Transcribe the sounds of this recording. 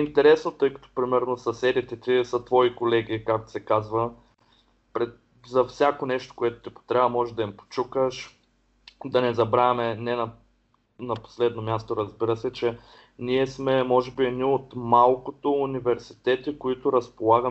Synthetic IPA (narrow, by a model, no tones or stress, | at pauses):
int̪ɛɾɛsnot̪ɤjkɐ̥t̪o̥pɾimɛɾnosɐsɛd̪it̪ɛt̪isɐt̪vɔikolɛɡʲikak̚t̪o̥sɛkazvə | pɾɛ | zɐfsʲjakonɛʃt̪o̥koɛt̪o̥t̪ipo̥t̪ɾʲabɐmɔʒɛd̪ɐimpo̥t͡ʃukəʃ | d̪ɐnɛzɐbɾaɛmɛnɛnɐ | nɐpo̥slɛd̪nomʲjast̪oɾɐzbiɾəsɛt͡ʃɛ | niɛsmɛmɔʒɛbiɛd̪niot̪malˠkot̪oːnivɛɾsi̥t̪ɛt̪ikoit̪ʊɾɐspolˠaɡə